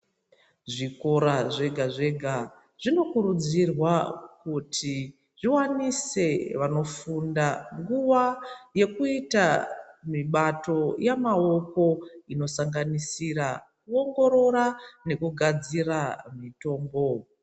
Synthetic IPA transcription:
ʐiko̞ɾaʐeɡʱaʐe̞ɡʱa | ʐ̥ino̞kuɾud͡zirwakutʰi | ʐ̥iwanise̞ʋano̞fundaŋɡuʋaje̞kuitamiɓato̞jamaoko̞ino̞saŋɡanisirak̚uo̞ŋɡo̞ɾo̞ɾane̞kuɡʱad͡ziramito̞ːmbo̞

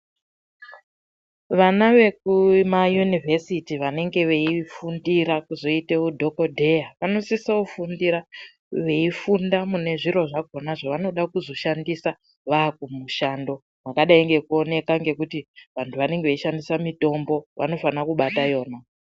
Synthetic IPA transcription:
ʋanaʋe̞k̚umajunivesitiʋane̞ŋɡe̞ʋe̞ifundiɾakuzo̞iteudʱo̞kodʱe̞jaʋano̞sisaufundiɾa | ʋe̞ifundamune̞ʐiɾo̞ʐaɡʱo̞naʐaʋano̞ɗakuzo̞ʃandisa | ʋaːk̚umuʃaːndo̞ | makaɗaiŋɡe̞kuo̞ne̞kaŋɡe̞kutiʋantʰuʋane̞ŋɡeʋeiʃandisamito̞mbo̞ʋʔa̰no̞fanakuɓatajo̞ːna

